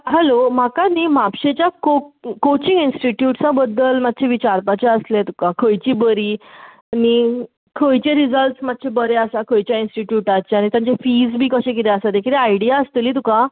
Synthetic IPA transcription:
ɦɛlomakanimapɕet͡ɕjakokot͡ɕiŋinsʈiʈjuʈt͡sabəd̪ːəlmad̪̚t͡ɕʰeʋit͡ɕaɾpat͡ɕaəslet̪ukakʰəjt͡ɕiːbəɾiː | añi | kʰəjt͡ɕẽɾid͡zəlʈsmad̪̚t͡ɕʰebəɾeasakʰəjt͡ɕjainsʈiʈjuʈat͡ɕeañit̪jãɲt͡ɕefid͡zbʱiːkəɕẽk̬it̪easad̪ekʰiɾeajɽijaəst̪eliːt̪uka

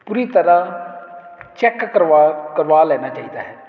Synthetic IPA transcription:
puːɾiːt̪əɾãː | t͡ʃɛkkəɾakəɾʋaːlɛːnaːt͡ʃaːiːd̪a̰ːɦɛː

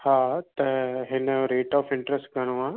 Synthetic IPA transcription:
haːt̪ɐɦɪnɾeːʈɔːfɪ̃ɳʈɾəsʈɡɐɽ̃oãː

